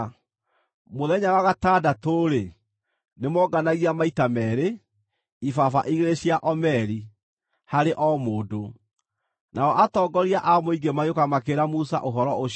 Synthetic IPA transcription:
moðɛɲawaɣataːdatoɾe | nemɔɡanaɣiamaitamɛɾe | ifafa̰ʔiɣeɾeɕiaʔɔmɛɾi | haɾeʔɔmoːdo | naɔʔatɔːɡɔɾiaʔamoiɡemajokamakeɾamusa̰ʔoɦɔɾɔo

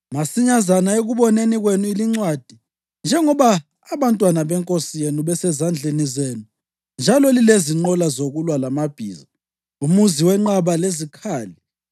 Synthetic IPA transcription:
masiɲazanaeɣuβɔneniɣwenuiliŋ͡ǀwad̥ʱi | nd͡ʒʱɛŋɔβaː | βantʼwanaβɛŋkʼosijenuβɛsɛzand͡ɮʱenizenu | nd͡ʒʱalɔlileziŋ͡ǃɔlazoɣulwalamab̥ʱḭːza | umuziwɛŋ͡ǃaβalezikʰaːli

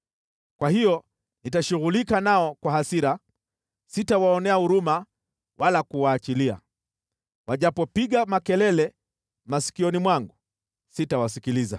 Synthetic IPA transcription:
kwahijɔ | nitaʃuɣulikanaɔkwahasiɾa | sitawaɔnɛahuɾuma | wʔalakuwaːt͡ʃilia̰ | waʄapɔpiɠamakɛlɛlɛ | masi̥kiɔnimwaŋɡu | sitawasikiliza̰

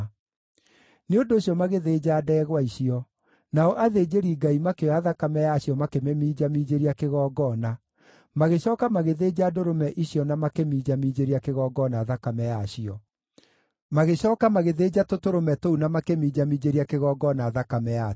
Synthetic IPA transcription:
neondoːɕiɔmaɣeðeːd͡ʑaːdɛɣwaiɕiɔ | naɔʔaðeːd͡ʑeɾiɡaimakeaðakamɛjaɕiɔmakemɛmiːd͡ʑamiːd͡ʑeɾiakeɣɔːɡɔna | maɣeɕɔːkamaɣeðeːd͡ʑadoɾomɛʔiɕjɔnamakemiːd͡ʑamiːd͡ʑeɾiakeɣɔːɡɔnaːðakamɛjaɕiɔ | maɣeɕɔːkamaɣeðeːd͡ʑatotoɾomɛtounamakemiːd͡ʑamid͡ʑeɾiakeɣɔːɡɔnaːðakamɛja

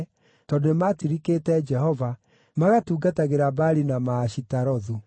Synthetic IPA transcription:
tɔdematiɾikeːtɛd͡ʒɛɦɔva | maɣatuːɡataɣeɾabaɾinamaːɕitaɾɔðu

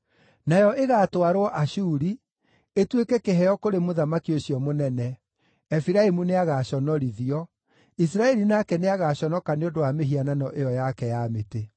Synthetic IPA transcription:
najɔʔeɣatwaɾwɔʔaɕuːɾi | etwekɛkeɦɛɔkoɾemoðamakioɕiɔmonɛnɛ | ɛfiɾaemuneaɣaɕɔnɔɾiðiɔ | is̬ɾaɛɾinakɛneaɣaɕɔnɔkaneondowameɦiananɔʔejɔjakɛjamete

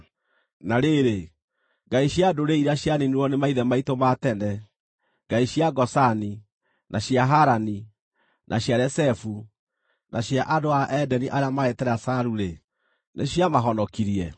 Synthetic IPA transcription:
naɾeɾe | ŋɡaiɕjadoɾeiɾaɕjaniniwɔnemaiðɛmaitomatɛnɛ | ɡ̥aiɕjaɡɔsani | nʔaɕjaɦaɾani | nʔaɕjaɾɛsɛfu | nʔaɕjaʔadoaʔɛdɛniʔaɾeamaetɛɾasaɾuɾe | neɕjamaɦɔnɔkiɾiɛ

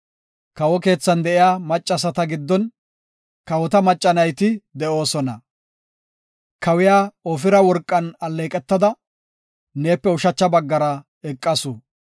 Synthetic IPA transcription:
kɐwɔke̞ːt͡sːɐnd̪ɛʔɪjaːmɐt͡ʃʼːɐsɐt̪ɐɡɪd̪ːɔn | kɐwɔt̪ɐmɐt͡ʃʼːɐnɐjt̪ɪd̪ɛʔo̞ːsɔnɐ | kɐwɪjaːɔfɪɾɐwɔɾkʼːɐnɐlːeːkʼɛt̪ːɐd̪ɐ | ne̞ːpːɛʊʃɐt͡ʃːɐbɐɡːɐɾɐ | ɛkʼːɐsu

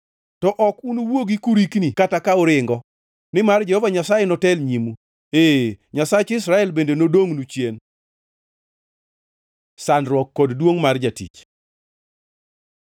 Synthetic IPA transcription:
tɔʔɔkunuwoɡikuɾiknikatakaʊɾɪŋɡɔ | nɪmard͡ʒɛhɔvaɲasajenɔtɛlɲimu | eɲasat͡ʃɪsɾaɛlbendenodoŋnut͡ʃjen | sanɾwɔkːɔddwoŋmard͡ʒatḭt͡ʃ

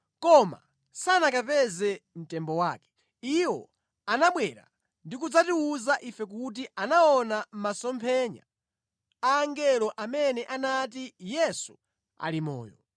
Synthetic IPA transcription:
kɔma̰ | sanakapɛzɛm̩tɛmbɔwaːkɛ̥ | iwɔ | anaɓwɛɾa̰ | ndikud͡zatiuzaʔifɛk̬ut̬iʔanaɔnam̩masɔmpʰɛɲa̰ | aːŋɡɛlɔʔamɛnɛʔanatijɛsu | a̰limɔ̰ːjɔ̰

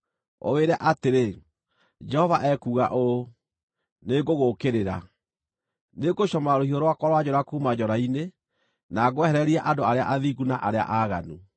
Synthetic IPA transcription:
o̰weɾɛʔateɾe | d͡ʒɛhɔvaʔɛkuːɣa̰ʔo | neɡoɣokeɾeɾa̰ | neɡoɕɔmaɾohioɾwakwɔɾwad͡ʑɔɾakuːmad͡ʑɔɾaine | naɡwɛhɛɾɛɾiɛʔandoaɾea̰ʔaðiɡunaʔaɾea̰ʔaɣa̰nu

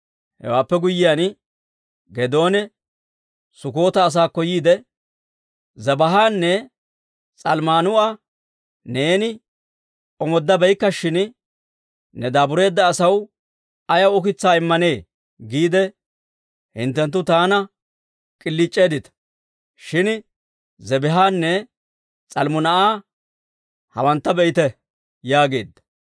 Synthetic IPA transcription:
hɛ̰waːpːɛɡʊjːɪjan | ɡɛd̪o̞ːnɛ | sʊko̞ːt̪ɐːs̬aːkːɔjiːd̪ɛ | zɐbɐɦaːnːɛ | t͡sʼɐlmaːnʊɐ | ne̞ːnɪ | ʔɔmɔd̪ːɐbɛjkːɐʃɪn | nɛd̪aːbʊɾe̞ːd̪ːɐːsɐw | ɐjɐwɔkɪt͡sːaːɪmːɐne̞ː | ɡiːd̪ɛ | hɪ̰nt̪ːɛnt̪̬ːʊt̪aːnɐ | kʼɪlːɪt͡ʃʼːe̞ːd̪ɪt̪ɐ̥ | ʃɪn | zɛbɛɦaːnːɛ | t͡sʼɐlmʊnɐʔaː | hɐ̰wɐnt̪ːɐbɛjɪt̪ɛ | jaːɡe̞ːd̪ːɐ̥

